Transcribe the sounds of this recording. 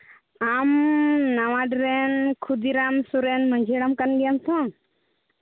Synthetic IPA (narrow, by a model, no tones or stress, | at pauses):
amnaʋaɖɾenkʰud̪iɾamsuɾenmə̃ɲd͡ʒʱeɽamkənɡijamt̪ʰõ